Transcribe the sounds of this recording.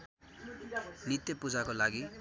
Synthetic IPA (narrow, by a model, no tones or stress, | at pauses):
nit̪jʌpud͡zakolaɡi